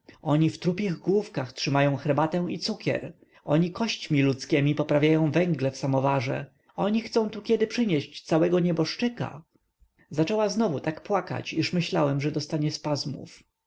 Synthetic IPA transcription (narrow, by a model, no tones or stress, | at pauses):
ɔɲift̪ɾupʲjiɣɡwufkaxtʂɘmajɔ̃w̃xɛɾbat̪ɛw̃it̪sukʲɛ̰ɾ | ɔɲikɔɕt͡ɕmʲilut̪skʲɛmʲipɔpɾavʲjajɔ̃w̃vɛ̃ŋɡlɛfsamɔvaʐɛ̰ | ɔɲixt̪sɔ̃w̃t̪ukʲɛd̪ɘpʂɘɲɛɕt͡ɕt̪sawɛɡɔɲɛbɔʂt͡ʂɘka̰ | zat͡ʂɛwaznɔvut̪akpwaka̰t͡ɕiʂmɘɕlawɛmʐɛd̪ɔst̪aɲɛspazmṵf